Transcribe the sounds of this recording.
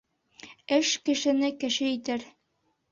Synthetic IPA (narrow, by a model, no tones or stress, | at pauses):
ɘʃkɘ̆ʃɘ̆nɘkɘ̆ʃɘit̪æɾ